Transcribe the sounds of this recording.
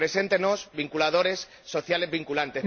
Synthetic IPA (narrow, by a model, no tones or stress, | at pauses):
ɾe̞se̞nt̪enozβiŋkulað̞o̞ɾe̞sːo̞θjale̞zβiŋkulant̪e̞